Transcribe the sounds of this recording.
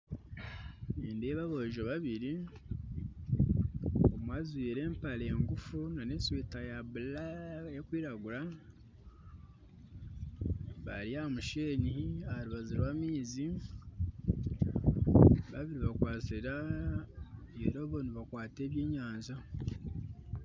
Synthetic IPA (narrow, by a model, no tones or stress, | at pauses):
niːndeβaβoʒoβaβiɾi | omwaːzwiːɾe̞ːmpale̞ŋɡufunanesweːtajaβulajekwiːɾaɡuɾa | βa̰ɾiamuʃeɲihiahaɾuβaziɾwaːmiːzi | βaβiɾiβakwaːt͡siɾa | eɾoβoniβakwaːte̞ːβjeːɲaːɲza